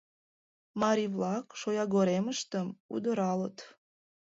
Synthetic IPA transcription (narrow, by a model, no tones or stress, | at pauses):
mɑɾʲiβlɑkʃojɑɣoɾeməʃt̪əmṵd̪əɾɑlət̪